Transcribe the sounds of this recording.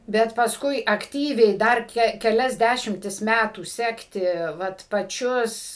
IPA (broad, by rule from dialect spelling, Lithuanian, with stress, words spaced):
ˈbʲɛt pɐˈskʊɪ ɐkˈtʲiːʋʲɛɪ ˈdɐr kʲɛ kʲɛˈlʲɛs ˈdʲæʃʲɪmʲtʲɪs ˈmʲætuː ˈsʲæːktʲɪ ˈʋɐt pɐˈt͡ʃʲʊs